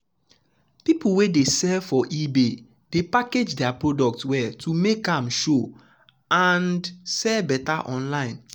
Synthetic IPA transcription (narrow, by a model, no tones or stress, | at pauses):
pipuwedesɛfɔʔibe | d̥epaked͡ʒdɛapɹodɔk̚tswɛtʰumekãmʃo | andsɛbɛtaʔɔ̃nlãɪ̃n